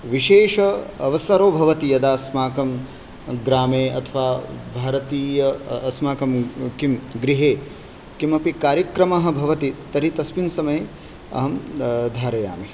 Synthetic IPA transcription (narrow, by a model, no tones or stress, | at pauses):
ʋiʃeːʃɐɐʋɐsɐɾoːbʱɐʋɐt̪ijɐd̪aːsmaːkɐm | ɡɾaːmeːɐ̰t̪ʰɐʋaːbʱaːɾɐt̪iːjɐɐsmaːkɐmkimɡɾiɦeː | kimɐpikaːɾjɐkɾɐmɐɦɐ̆bʱɐʋɐt̪it̪ɐɾit̪ɐsminsɐmɐje | ɐ̰ɦɐmd̪ʱaːɾɐja̰ːmi